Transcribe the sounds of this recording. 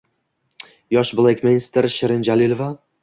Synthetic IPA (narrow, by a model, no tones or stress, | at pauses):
jɒʃblˠekʲmenʲst̪eɾʃɪɾɪnd͡ʒalɪlˠva